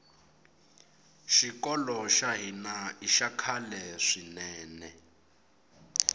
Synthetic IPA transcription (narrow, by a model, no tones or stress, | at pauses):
ʃikɔlɔʃaɦinaiʃakʰalɛʂinɛːnɛ